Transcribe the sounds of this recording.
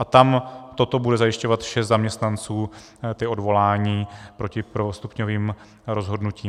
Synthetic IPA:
ʔat̪amt̪o̞t̪o̞budɛzajɪʃco̞vat̪ʃɛst̪zamɲɛst̪nant͡suː | t̪ɪʔo̞dvo̞laːɲiːpɾo̞cɪpɾovost̪upɲoviːm | ɾo̞zɦo̞dnuciː

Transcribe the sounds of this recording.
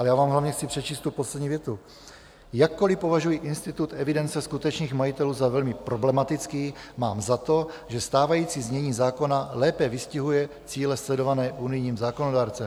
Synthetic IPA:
alɛjaːvaːmɦlavɲɛxt͡sɪpr̝̥ɛt͡ʃiːst̪t̪upo̞slɛdɲiːvjɛt̪u | jakːo̞lɪpo̞vaʒujiʔɪnst̪ɪt̪ut̪ɛvɪdɛnt͡sɛskut̪ɛt͡ʃniːxmajit̪ɛluːzavɛlmɪpɾo̞blɛmat̪ɪt͡skiːma̰ːmzat̪o̞ʒɛst̪aːvajiːt͡siːzmɲɛɲiːzaːko̞nalɛːpɛvɪscɪɦujɛ | t͡siːlɛslɛdo̞vanɛːʔunɪjɲiːmzaːkonodaːɾt͡sɛm

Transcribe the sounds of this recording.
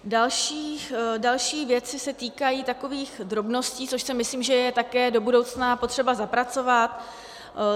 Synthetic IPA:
dalʃiːdalʃiːvjɛt͡sɪsɛt̪iːkajiːt̪ako̞viːxd̪ɾo̞bno̞sciːt͡so̞ʃsɪmɪsliːmʒɛjɛt̪akɛːdo̞budo̞wt͡snapo̞t̪r̝̥ɛbazapɾat͡so̞vat̪

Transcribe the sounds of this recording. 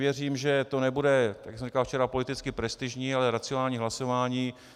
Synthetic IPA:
jɛriːmʒɛt̪o̞nɛbudɛt̪ajakksɛmri̥kalft͡ʃɛɾapo̞lɪt̪ɪt͡skɪpɾɛst̪ɪʒɲiːalɛɾat͡sɪonaːlɲiːɦlaso̞vaːɲiː

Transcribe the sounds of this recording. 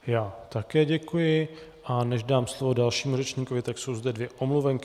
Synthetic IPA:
jaːt̪akɛːɟɛkujɪʔanɛʒdaːmslovo̞dalʃiːmurɛt͡ʃɲiːko̞vɪt̪akso̞wzdɛdvjɛʔomluvɛŋkɪ

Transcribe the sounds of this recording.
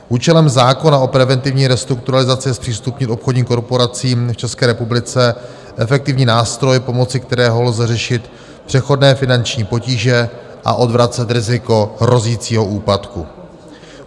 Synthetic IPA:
ʔuːt͡ʃɛlɛmzaːko̞nao̞pɾɛvɛnt̪ɪvɲiːɾɛst̪ɾuk̚t̪uɾalɪzat͡sɪɛspr̝̥iːst̪upɲɪt̪ʔo̞pxodɲiːmko̞ɾpo̞ɾat͡siːmft͡ʃɛskɛːɾɛpublɪt͡sɛ | ʔɛfɛk̚t̪ɪvɲiːnaːst̪ɾo̞jpo̞mo̞t͡sɪkt̪ɛɾɛːɦoɦlzɛrɛʃɪt̪ | pr̝̥ɛxo̞dnɛːfɪnant͡ʃɲiːpo̞ciːʒɛ | ʔa̰ʔo̞dvɾat͡sɛt̪ɾɪzɪko̞ɦɾo̞ziːt͡siːɦo̞ʔuːpat̪ku

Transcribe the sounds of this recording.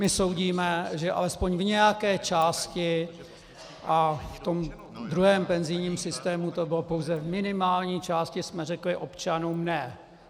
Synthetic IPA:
mɪso̞wɟiːmɛʒɛʔa̰lɛspo̞ɲvɲɛjakɛːt͡ʃaːscɪ | ʔaft̪o̞m | d̪ɾuɦɛːmpɛnzɪjɲiːmsɪst̪ɛːmut̪o̞bɪlopo̞wzɛvmɪnɪmaːlɲiːt͡ʃaːscɪsmɛrɛklɪʔo̞pt͡ʃanuːmnɛ

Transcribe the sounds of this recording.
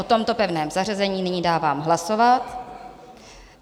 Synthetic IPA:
ot̪o̞mt̪o̞pɛvnɛːmzarazɛɲiːnɪɲiːdaːvaːmɦlaso̞vat̪

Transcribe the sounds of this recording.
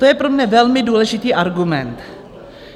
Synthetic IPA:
ojɛpɾɔmɲɛʋɛlmɪd̪uːlɛʃɪt̪iːʔɑɾɡʊmɛnt̪

